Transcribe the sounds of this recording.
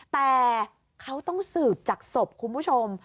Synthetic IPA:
t̪ɛː˨˩ | kʰa˦˥wt̪ɔ˥˩ŋsɯː˨˩p̚t͡ɕaː˨˩k̚so˨˩p̚kʰu˧nbʰu˥˩t͡ɕʰo˧m

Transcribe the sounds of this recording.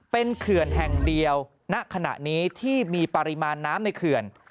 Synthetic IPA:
pe˧nkʰɯ˨˩ənɦɛ˨˩ŋdi˧əw | na˦˥ʔkʰa˧na̰˨˩ʔniː˦˥t̪ʰiː˥˩miː˧pa˧ɾi˦˥maː˧nːaː˦˥mna˧jkʰɯ˨˩ən

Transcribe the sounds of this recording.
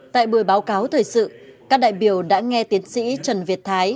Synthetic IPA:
t̪a̰ː˧˨jɓɨ˨˩əjɓaː˨˦wkaː˨˦wt̪ʰəː˨˩jsɨ̰˧˨kaː˦˥k̚ɗa̰ː˧˨jɓi˨˩əwɗa̰ː˧˥ŋɛ˧t̪i˨˦ənsḭ˧˥t͡ɕə˨˩nvi˨˩ət̚t̪ʰaː˨˦j

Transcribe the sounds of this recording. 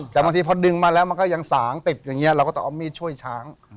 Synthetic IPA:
t̪ɛ˨ba˧ŋt̪ʰiː˧pʰɔ˧dɯ˧ŋmaː˧lɛː˦˥wma˧nkɔː˥˩ja˧ŋsaː˩˦ŋt̪i˨˩p̪̚jaː˨˩ŋːi˦˥ɐʔɾwkɔː˥˩t̪ɔ˥ʔa˧miː˥˩t͡ɕʰu˥˩əjt͡ɕʰaː˦˥ŋ

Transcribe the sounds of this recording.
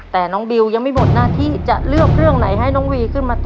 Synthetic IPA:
t̪ɛː˨˩nɔː˦˥ŋbi˧wja˧ŋma˧˩jmo˨˩t̪̚naː˥˩t̪ʰiː˥˩t͡ɕa˨˩ʔlɯ˥˩ək̚ɾɯ˥˩əŋna˩˦jɦa˥˩jnɔː˨˦˥ŋwiː˧kʰɯ˥˩nmaː˧t̪ː

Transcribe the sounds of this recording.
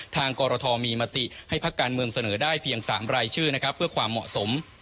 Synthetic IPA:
t̪ʰaː˧ŋkɔː˧ɾɔː˧t̪ʰɔː˧miː˧ma˧t̪i˨˩ha˥˩jpʰa˦˥kːaː˧nmɯ˧əŋsa˧nɤː˩˦daː˥˩jpʰi˧əŋsa̰ː˩˦mɾaː˧jt͡ɕʰɯː˥˩na˦˥kʰɾa˦˥pʰːɯ˥˩ɐkʰwaː˧mːɔ̰˨˩ʔso˩˦m

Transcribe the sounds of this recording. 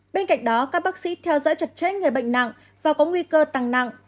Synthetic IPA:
ɓe˧nka̰˧˨jŋ̟ɗɔ˨˦kaː˦˥k̚ɓaː˦˥k̚sḭ˧˥t̪ʰɛ˧wzɔ̰ː˧˥jt͡ɕə˨˩t̚t͡ɕe˦˥t̚ŋɨ˨˩əjɓə̰˧˨jŋ̟na̰˧˨ŋ | vaː˨˩kɔ˨˦ŋwi˧kəː˧t̪aː˨˩ŋna̰˧˨ŋ

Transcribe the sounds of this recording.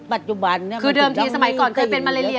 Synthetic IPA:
pa˨˩t̪̚t͡ɕu˨˩ba˧nː˥kʰɯː˧dɤː˧mt̪ʰiː˧sa˧ma˨˩˦jkɔː˨˩nkʰɤː˧jpe˧nmaː˧leː˧li˧

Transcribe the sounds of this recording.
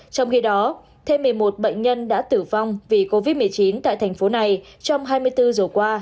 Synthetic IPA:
t͡ɕɔ˧wŋ͡mxi˧ɗɔ˨˦ | t̪ʰe˧mːɨ˨˩əjmo˨˩t̚ɓə̰˧˨ŋ̟ɲə˧nɗa̰ː˧˥t̪ɨ˧˩va˧wŋ͡mvi˨˩ko˧vi˦˥t̚mɨ˨˩əjt͡ɕi˨˦nt̪a̰ː˧˨jt̪ʰɛ˨˩ŋ̟fo˨˦na˨˩j | t͡ɕɔ˧wŋ͡mɦaː˧jmɨ˧əjt̪ɨ˧zə˨˩kwaː˧

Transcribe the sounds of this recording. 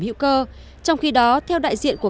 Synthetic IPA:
mḭ˧˥wkəː˧ | t͡ɕɔ˧wŋ͡mxi˧ɗɔ˨˦t̪ʰɛ˧wɗa̰ː˧˨jzḭ˧˨ənku˧˩ə

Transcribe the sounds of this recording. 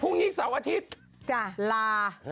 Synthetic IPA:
pʰuː˥˩ŋɲiː˦˥k̚saː˩˦wʔaː˧t̪ʰi˦˥t̪̚ | t͡ɕa˧˩laː˧

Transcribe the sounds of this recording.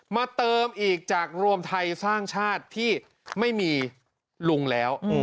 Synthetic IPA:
maː˧t̪ɤː˧mʔiː˨˩k̚t͡ɕaː˨˩k̚ɾu˧əmt̪ʰa˧jsaː˥˩ŋt͡ɕʰaː˥˩t̪ʰːiː˥˩ | ma˥˩jmiː˧ | lu˧ŋlɛː˦˥w

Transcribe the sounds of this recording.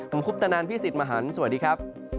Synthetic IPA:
pʰo˩˦mʰpʰu˦˥p̚t̪ʰa˧naː˧npʰiː˥˩si˨˩t̪̚maː˧˩ɦaː˩˦nsu˨˩diː˧kʰɾa˦˥p̚

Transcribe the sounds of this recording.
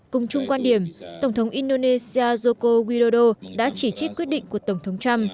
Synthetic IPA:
kʊ˨˩ŋ͡mt͡ɕʊ˧ŋ͡mkwaː˧nɗi˧˩əmt̪ə˧˩wŋ͡mt̪ʰə˨˦wŋ͡mʔi˧nɗo˧ne˧si˧aː˧zo˧ko˧ɣwi˧ɗo˧ɗo˧ɗa̰ː˧˥t͡ɕi˧˩t͡ɕi˦˥k̚kwi˦˥ət̚ɗḭ˧˨ŋ̟ku˧˩ət̪ə˧˩wŋ͡mt̪ʰə˨˦wŋ͡mt͡ɕa˧m

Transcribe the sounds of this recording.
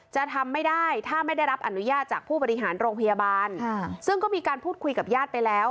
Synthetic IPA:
t͡ɕa˨˩ʔt̪ʰa˧mːa˥˩jda˥˩jt̪ʰaː˥˩ma˥˩jda˥˩jɾa˦˥p̚ʔa˧nu˦˥jaː˥˩t̪̚t͡ɕaː˨˩k̚pʰuː˥˩ɔː˧ɾi˦˥ɦaː˩˦nɾoː˧ŋpʰa˧ja˧baː˧nʰsɯ˥˩ŋkɔː˥˩miː˧kaː˧npʰuː˥˩t̪̚kʰu˧jka˨˩p̚jaː˥˩t̪̚pa˧jlɛː˦˥w

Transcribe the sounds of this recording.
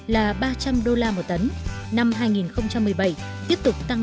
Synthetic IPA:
laː˨˩ɓaː˧t͡ɕa˧mɗo˧laː˧mo˨˩t̚t̪ə˨˦nna˧mɦaː˧jŋi˨˩nxə˧wŋ͡mt͡ɕa˧mːɨ˨˩əjɓa˧˩j | t̪i˦˥əp̚t̪ʊ˨˩k͡p̚t̪a˧ŋ

